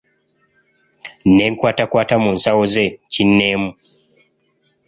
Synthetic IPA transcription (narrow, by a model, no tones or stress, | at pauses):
neːŋkwaːtakwaːtamuːnsawozecinːeːmu